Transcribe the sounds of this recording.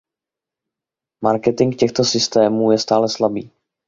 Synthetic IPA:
maɾkɛt̪ɪŋkcɛxt̪o̞sɪst̪ɛːmuːjɛst̪aːlɛslabiː

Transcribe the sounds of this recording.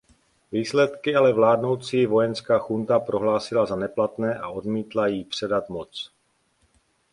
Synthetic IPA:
viːslɛt̪kɪalɛvlaːdno̞wt͡siːvo̞jɛnskaːxunt̪apɾo̞ɦlaːsɪlazanɛplat̪nɛːʔaʔo̞dmiːt̪lajiːpr̝̥ɛdat̪mot͡s

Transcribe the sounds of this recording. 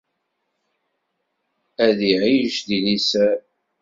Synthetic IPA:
æðiʕiʒðinisæ

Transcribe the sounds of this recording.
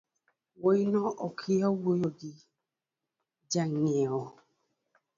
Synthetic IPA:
woinɔʔɔkʰiɔwojoɡi | d͡ʒaŋɛɔ

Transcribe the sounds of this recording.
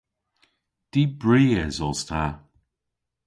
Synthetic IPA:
d̪̥ibɹiːɛzɔst̪ʰa

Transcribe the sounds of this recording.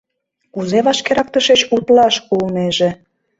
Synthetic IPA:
uzeβɑʃkeɾɑkt̪əʃet͡ɕut̪lɑʃkulneʒĕ

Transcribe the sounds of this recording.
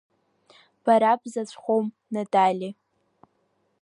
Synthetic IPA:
b̥aɾabzat͡ɕʷʰʼχʷom | nadʰʼalʲi

